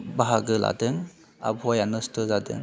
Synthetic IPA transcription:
baɦaɡɯlʔa̰dɯŋ | a̰bʱɔjanɯstɯzadɯ̰ŋ

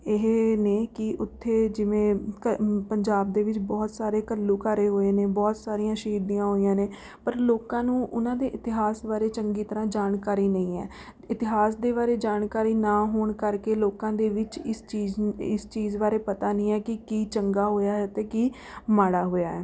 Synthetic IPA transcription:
ɪɦeːneːkɪʔʊt̪ʰːeːd͡ʒɪʋẽːkəpəɲd͡ʒaːb̚d̪eːʋɪt͡ʃbɔːt̪saːɾeːkəlːuːkəɾeːɦoːeːneːbɔːt̪saːɾijãːʃəɦiːd̪ijãːɦoːijãːneː | pəɾloːkãːnũːʔʊnãːd̪eːʔɪt̪ɪɦaːsbaːɾeːt͡ʃəŋɡiːt̪əɾãːd͡ʒaːnkaːɾiːnəĩːɛ̰ː | ɪt̪ɪɦaːsd̪eːβaːɾeːd͡ʒaːnkaːɾiːnaːɦoːɳkəɾkeːloːkãːd̪eːʋɪt͡ʃɪst͡ʃiːzɪst͡ʃiːzbaːɾeːpət̪aːnĩːɛːkɪkiːt͡ʃəŋɡaːɦoːjaːɦɛːt̪eːkiː | maːɽaːɦoːjaːɦɛː

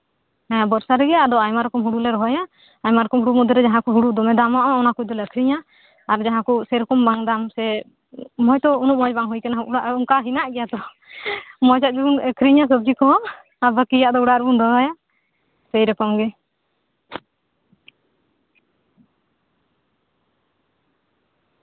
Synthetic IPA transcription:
ɛabɔɾsaɾɛɡɛad̪ɔajmaɾɔkɔmɦuɽulɛɾɔɦɔjaː | jmaɾɔkɔmɦuɽumɔd̪ɔɾɛd͡ʒaɦãkuɦuɽud̪ɔmɛd̪amaʔɔɔnakud̪ɔləkʰɾiɲaː | ɾd͡ʒaɦãkusɛɾɔkɔmbaŋd̪amsɛ | mɔjt̪ɔunup̚mɔd͡ʒbaŋɦujkanauɽaʔuŋkaɦinaʔɡɛjat̪ɔ | mɔjd͡ʒaʔ̪̚d͡ʒuunəkʰɾiɲas̬əb̚d͡ʒikɔ̃ | abəkijaʔd̪ɔuɽaʔɾbund̪ɔɦɔja | səjɾɛkɔmɡɛ

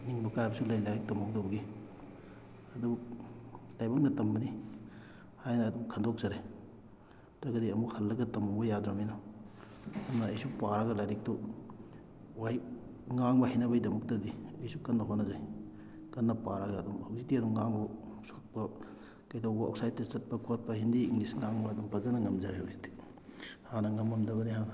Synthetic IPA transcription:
niŋbɐkajbɐsulɐjlajɾik̚tɐmow̚dobɐɡi | ɐdu | lajbɐŋ̚nɐtɐmbɐni | hajnɐːdumkʰɐndok̚z̥ɐɾe | tɾɐɡɐdiɐmukhɐlːɐɡɐtɐmubɐjadɾaminɔ | ɐnɐejsupaɾaɡɐlajɾik̚tu | wajŋaŋbɐɦinɐbɐjdɐmuk̚tɐdiɐjsukɐnːɐɦonɐzaj | kɐnːɐpaɾɐɡɐːdumhɐwzik̚diɐdumŋaŋbosot̚pɐ | kɐjdowbɐɐ̰ksajt̚tɐt͡ʃɐt̚pɐkot̚pɐhindiːŋlisŋaŋbɐːdumpɐzɐnɐŋɐmzɐɾehɐwzik̚di̥ | hanɐŋɐmːɐmdɐbɐniɦanɐ

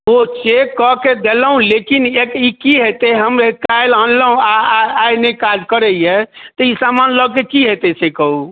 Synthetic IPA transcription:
ot͡ʃekːɔked̪eləɦũlekinekikiɦet̪eɦəmekajlanləɦũaajnekad͡ʒkəɾɛet̪ɔisamanləɡ̚kekiɦet̪esekəɦu

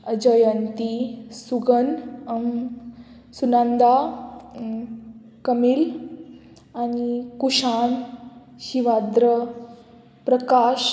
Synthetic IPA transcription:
əd͡ʑəjənt̪isuɡənəm | sunãnd̪a | kəmil | anikuɕan | ɕiʋad̪ɾə | pɾəkaɕ

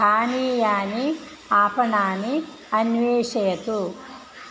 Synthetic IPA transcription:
aːniːjaːni | aːpɐnaːni | ɐnʋeːʃɐjɐt̪u

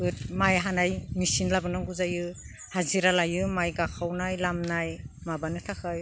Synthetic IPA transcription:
ɯt̚majɦanajmisinlabɯnaɡuzajɯ | haziɾalajɯmajɡakʰawnajlamnajmabanɯtʰakʰaj

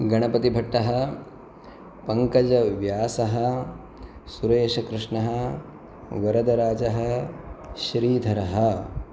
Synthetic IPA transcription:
ɡɐɳ̃ɐpɐt̪ibʱɐʈːɐɦɐ̆ | pɐŋkɐd͡ʒɐʋjaːsɐɦɐ | suɾeːʃɐkɾɪʂɳɐɦɐ | ʋɐɾɐd̪ɐɾaːd͡ʒɐɦɐ | ʃɾiːd̪ʱɐɾɐɦɐ̆

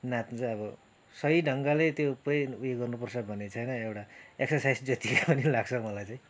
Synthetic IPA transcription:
nat̪t͡saʌbʌ | sʌɦiɖʱʌŋɡalet̪jopeujeɡʌrnupʌrsʌbʱʌnet͡sʰʌjnʌewʈaeksʌsajsd͡zʌt̪ikapʌnilaɡt͡sʰʌmʌlajt͡sãj̃

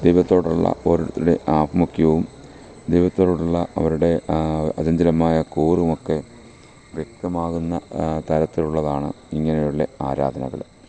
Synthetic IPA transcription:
d̪ejʋɐt̪ːo̞ːɽuɭːɐ̰ʔo̞ːɾuɾut̪ːiɾuɽe̞ʔaːbɐmukʰjɐʋum | d̪ejbɐt̪ːoːɽɽuɭːɐʔɐ̰ʋɐɾuɽe̞ɐd͡ʑɐnd̪ɐlɐmaːjɐkuːrumokːe̞ | ʋjek̚t̪ɐmaːɣunːɐt̪ɐɾɐt̪ːiluɭːɐðaːɳɨ | iŋːɐnejuɭːɐaːɾa̰ːd̪ʱɐnɐ̰ɣɐ̰ɭ

